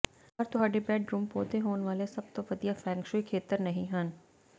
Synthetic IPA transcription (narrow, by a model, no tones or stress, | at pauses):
ɐɾt̪ʊɦaːɖebɛːɖɾũːmpoːd̪eɦoːnʋaːlesɐb̚t̪oʋɐd̪ijafʰɛ̃ːŋkʃoikʰeːt̪əɾnɐɦĩɦən